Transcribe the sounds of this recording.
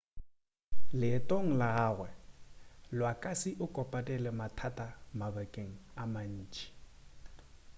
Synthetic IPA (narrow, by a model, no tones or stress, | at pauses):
lɪtʼoŋ̩laɣaːɣwɛ | lwakʼasiʔʊkʼɔpʼatʼɛlɪmatʰatʼamabakʼeŋ̩aman̩ːt͡ʃʼi̥